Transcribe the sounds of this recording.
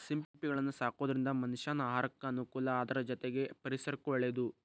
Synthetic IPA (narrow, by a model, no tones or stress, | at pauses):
simppiɡɐɭɐnːusaːkoːd̪ɐɾind̪ɐmɐniʃaːnɐaːɦaːɾɐkːɐːnukuːlɐaːd̪ɐɾɐd͡ʒɔt̪eɡe̞pɐɾisɐɾɐkːuʋɐɭːed̪u